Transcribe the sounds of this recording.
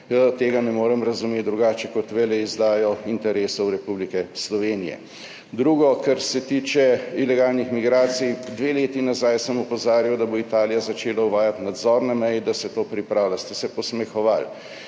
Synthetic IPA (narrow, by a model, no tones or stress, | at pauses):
jət̪eːɡanɛmoːɾɛmɾɐzumet̪̚d̪ɾuɡaːt͡ʃɛkɔt̪ʋɛlɛizd̪aːjɔint̪ɛɾeːsɔwɾɛpublikɛslɔʋeːnijɛ̰ | d̪ɾuːɡɔkɐɾsɛt̪iːt͡ʃɛilɛɡaːlnixmiɡɾaːt̪sijd̪ʋeːleːt̪inazajsəmɔpɔzaːɾjiwd̪aboit̪aːlijazat͡ʃeːlawʋaːjat̪nad̪zɔːɾnamɛjɛd̪asɛt̪oːpɾipɾaːwlast̪ɛsɛpɔsmɛxɔʋal